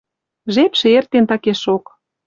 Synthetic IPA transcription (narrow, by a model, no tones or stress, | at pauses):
ʒepʃeert̪ent̪ɑkeʃok